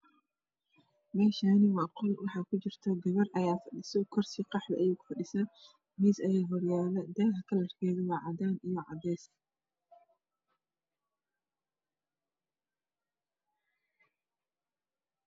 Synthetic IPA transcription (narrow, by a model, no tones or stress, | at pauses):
mɛːʃaːnɪwɑːqɔlwɑħɑːkʰʊt͡ʃɪrt̪ʰɔɡɐβɐrʔɐjaːfɐɗɪsɔkʰɔrsiqɑħdɐʔɐjuːkʊ̥fɐɗɪsa | misɐjaːɦɔrjaːlɐd̪ɛːkɐkʰɐlɐrkʰɛːðʊwɑːʕɑd̪aːnijɔʕɑ̰d̪ɛːs